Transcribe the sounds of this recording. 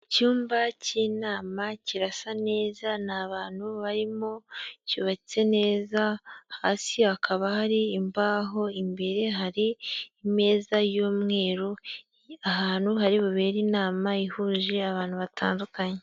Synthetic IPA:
cuːmbaciːnaːmaciɾasane̞ːzanaβaːn̥huβaɾimocuːβacit͡se̞ne̞ːzaha̰ːsiakʰaβahaɾiːmbaːɦo̞imbe̞ɾe̞ɦaɾiːme̞ːzajoːmŋe̞ːɾo | aɦaːn̥uɦaɾiβuβe̞ːɾiːnaːmaihuːʒiaβaːn̥huβatʰa̰ːndukaɲe

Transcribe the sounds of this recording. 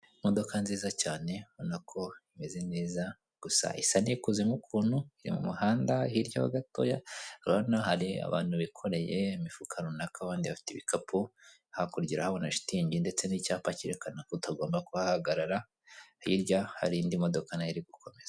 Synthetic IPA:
mo̞do̞kanziːzacaːne̞βo̞nakʰo̞ime̞ze̞ne̞ːza | ɡ̥usa̰ʔisanikuzemukʰuːnhuiɾḭmṵmuhaːndahiɾɟaβa̰ɡato̰jaɾβanahaɾia̰βa̰ːn̥huβikʰo̞ɾe̞jeimifukʰaɾunakaːβaːndiβafi̥teβikapʰu | hakuɾɟiɾahaβonaʃi̥tiɲɟinde̞t͡se̞nicaːpaciɾekanakotaɡo̞ːmbakuβahaɡaɾaɾa | ḭɾɟaha̰ɾindimo̞do̞kanaiɾiɡukʰo̞me̞zḁ

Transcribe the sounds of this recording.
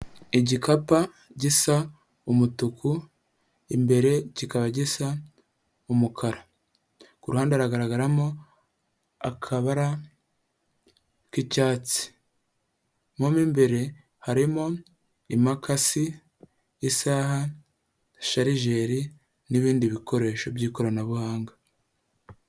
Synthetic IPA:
iɟikʰapa | ɟisa | umutuku | imbe̞ɾe̞cikaβaɟisa | umukʰaɾa | kuɾuhaːndeaɾaɡaɾaɡaɾamo | akʰaβaɾa | kicaːt͡si̥ | momiːmbe̞ɾe̞ | haɾimo̞ | imakasiː | saːha | ʃaɾiʒe̞ːɾi | niβiːndiβikʰo̞ɾe̞ːʃo̞bjiːko̞ɾanaβuhaːŋɡḁ

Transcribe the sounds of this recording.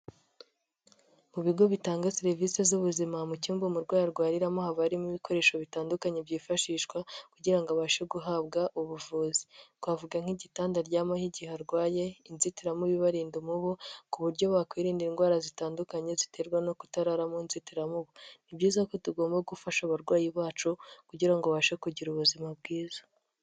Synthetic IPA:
muβiɡo̞βitaːŋɡaseɾvisezuβuzimamucuːmbumuɾɡwaːjaɾɡwaːɾiɾamo̞haβaɾimiβiko̞ɾe̞ːʃo̞βitaːndukaɲebɟiːfaʃiːʃkwakuɟiɾaŋɡaβaːʃeɡuɦabɡaʔuβuvuːzi̥twaːvuɡaŋ̥hiɟitaːndaɾɟaːmahiɟihaɾɡwaːje̞inzitiɾamuβiβaɾiːndomuβukuβuɾɟo̞βaːkwiːɾiːndiinɡwaːɾazitaːndukaɲe̞zite̞ɾɡwano̞ku̥taɾaɾamunzitiɾamuβunibɟiːzako̞tuɡo̞ːmbaɡufaʃaβaɾɡwaːjiβaːt͡ʃukuɟiɾaŋɡoβaːʃekuɟiɾuβuzimab̚ɡiːzḁ

